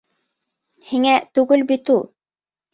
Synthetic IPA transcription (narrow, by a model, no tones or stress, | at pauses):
hiŋæt̪ʉɡɘlbit̪ulˠ